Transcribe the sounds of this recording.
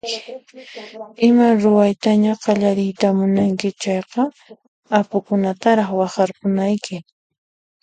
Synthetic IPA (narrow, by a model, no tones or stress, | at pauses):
ɪmaɾʊwajt̪aɲaqɑʎaɾɪjt̪amʊnaŋkɪt͡ʃɑjqɑ | apʊkʊnat̪aɾɑχwɑχɑɾqʊnajkʰɪ